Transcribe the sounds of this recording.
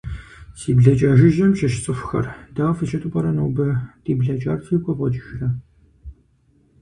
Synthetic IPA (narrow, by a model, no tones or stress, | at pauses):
siːbɮɐt͡ʃʼaːʒɪʒɐmʃɐʃt͡sʼɨfxɐ̰rdaːfɨʃɐtʼʊpʼɐɾɐnɐwbɐd̥iːbɮɐt͡ʃʼaːrtʰiːkʷʼɔpʼɔt͡ʃʼɪxrɐ